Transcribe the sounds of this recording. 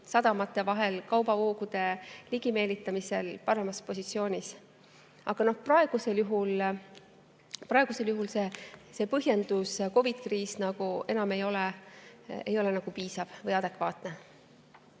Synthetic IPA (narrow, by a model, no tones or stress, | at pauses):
sɑd̪̥ɑmɑt̪ːˑe̞vɑɦe̞lkɑwbɑvoːɡud̪e̞liɡ̥ime̞ːlit̪ːˑɑmise̞lpɑɾe̞mɑspo̞sit̪sio̞ːnʲis | ɑ̰ɡ̥ɑno̞hprɑe̞ɡ̥use̞ljuɦul | prɑe̞ɡ̥use̞ljuɦulse̞se̞pɤɦje̞nd̪̥usko̞vid̪̥kriːsnɑɡ̥uʔe̞nɑmejo̞le | ḛjo̞lenɑɡ̥upiːsɑv̥vɤjɑd̪̥e̞kvɑːt̪ne̞